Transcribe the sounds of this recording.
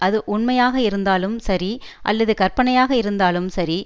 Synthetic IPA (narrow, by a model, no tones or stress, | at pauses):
ʔɐðɯʔʊɳmɐjaːɣɐɪɾɯnd̪aːlɯmsɐɾiʔɐ̰lːɐðɯkɐɾpɐɳɐjaːɣɐɪɾɯnd̪aːlɯmsɐɾi